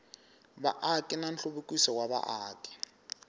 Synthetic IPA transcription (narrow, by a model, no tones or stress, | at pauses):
ba̰ʔakʼɪnan̩ɬoβukʼwisɔwaβa̰ʔaːkʼɪ̥